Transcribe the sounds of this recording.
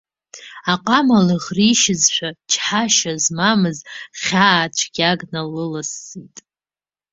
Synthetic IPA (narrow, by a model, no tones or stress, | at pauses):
aqʼamalɨʁriʃɪzʃʷᶣat͡ʃʰħaʃazmamɨzχʲaːt͡ʃʷʰɡʲaɡnalɨlasːitʼ